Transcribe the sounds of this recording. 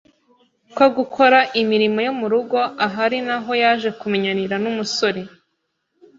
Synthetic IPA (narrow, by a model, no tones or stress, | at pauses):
koɡukʰo̞ɾaʔimiɾimo̞jomuɾuɡo̞ʔaɦaɾinaɦo̞jaːʒe̞kumeɲaniɾanumuso̞ɾe̞